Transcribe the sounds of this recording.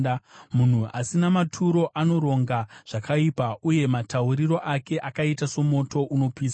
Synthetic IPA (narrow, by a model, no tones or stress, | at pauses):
mun̤ua̰sinamatʰuɾo̞ʔano̞ɾo̞ŋɡaʐ̥akʰaipauje̞matʰauɾiro̞ʔake̞ʔakaitaso̞mo̞to̞ʔuno̞piːsa